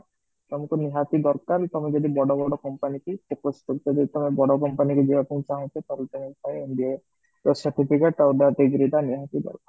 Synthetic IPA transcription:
t̪ɔmɔkuniɦat̪id̪ɔɾkaɾt̪ɔmed͡ʒɔd̪ibɔɽɔbɔɽɔkɔmpanikisepɾɔst̪ukt̪ɔd̪et̪ɔmebɔɽɔkɔmpanikud͡ʒibapiĩt͡ʃaɦɔ̃t̪ʰet̪ɔɾet̪ɔmepaeindie | ɾɔsaɾʈipʰikeʈawd̪ad̪eɡɾid̪aniɦat̪id̪ɔ̰ɾkaɾ

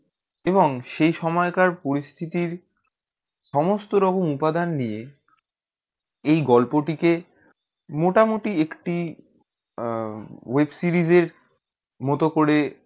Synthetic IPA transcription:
eboŋʃejʃɔmɔekaɾpoɾist̪ʰit̪iɾ | ʃɔmost̪oɾɔkomupad̪anːije | ejɡɔlpoʈike | moʈamoʈiekʈi | websiɾizeɾ | mɔt̪okoɾe

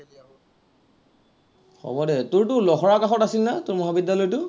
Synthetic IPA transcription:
xɔ̰bɔdɛtʊɹtʊlɔxɔɹakaxɔtasilnatʊɹmɔɦabidjalɔjtʊ

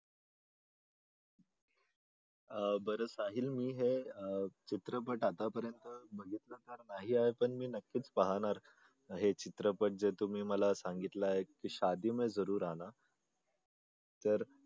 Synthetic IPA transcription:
bəɾəsaɦiːlmiːɦe | t͡ɕit̪ɾəpəʈat̪apəɾjənt̪əbəɡʱiːt̪nənt̪əɾnaɦiaɦepəɳmiːnəkːiːt͡spəɦaɽ̃aɾ | ɦet͡ɕit̪ɾəpəʈ̚d͡zet̪um̤iːməlasaŋɡit̪laɦekiːɕad̪iːmed͡zəɾuːɾana | t̪əɾ

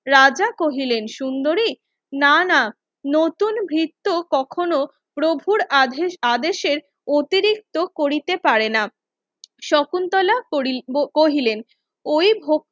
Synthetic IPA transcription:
ɾad͡ʑakoɦilenʃund̪oɾi | nana | not̪unbʱɾit̪ːokɔkʰono | pɾobʱuɾad̪eʃeɾ | ot̪iɾik̚t̪okoɾit̪epaɾena | ʃɔkunt̪ɔla | koɦilen | ojbʱok̚

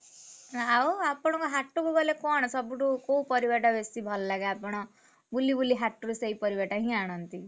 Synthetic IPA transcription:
awapɔɽ̃ɔkoɦaʈːukubɔlekɔɽ̃sʌbuʈukoũpɔɾibeʈabesibʱʌllaɡaapɔɽ̃ɔ | bulibuliɦaʈːuɾuseipʌɾibaʈaɦĩaɽ̃ʌnt̪i

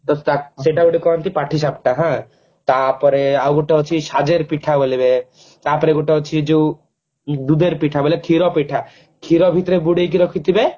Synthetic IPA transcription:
t̪ɔaseʈaboɽikɔmt̪ipaʈʰis̬ap̚ʈaɦã | t̪apɔɾeaɡuʈaɦɔt͡ʃʰiʃad͡ʒeɾpiʈʰabolibe | t̪apɔɾeɡuʈaɦɔt͡ʃʰid͡ʒe | d̪ud̪eɾpiʈʰabɔlekʰiɾɔpiʈʰa | kʰiɾɔbʱit̪ɾebuɽejkiɾɔkʰit̪ibe

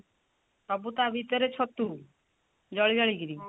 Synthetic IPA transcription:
pɔbut̪abʱit̪ɔɾet͡ʃʰɔt̪ːu | d͡ʒɔɭid͡ʒɔɭiɡɾi

